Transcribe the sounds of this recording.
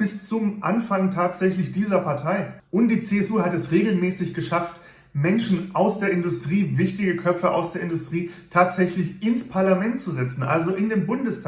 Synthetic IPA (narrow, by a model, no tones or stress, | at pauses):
b̥ɪst͡sʊmʔa̰nfaŋtʰaːtz̥ɛçlɪçd̥iːzɐpʰaɐtʰaɪʔʊnt̚d̥iːt͡seːɛsuːhatɛsʁeːɡl̩mɛːsɪçɡ̥əʃaft | mɛnʃn̩ʔaʊsd̥eːɐɪndʊstʁ̥iːvɪçtɪɡəkʰœpp͡fəʔa̰ʊsd̥eːɐɪndʊstʁ̥iːtʰaːtz̥ɛçlɪçɪnspʰaɐlamɛntt͡suzɛt͡sn̩ʔa̰lzoʔɪndeːnbʊndəstʰː